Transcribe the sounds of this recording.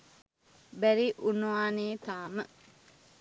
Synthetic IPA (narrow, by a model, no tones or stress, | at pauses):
bæɾiʔunuʋaːneːt̪aːmə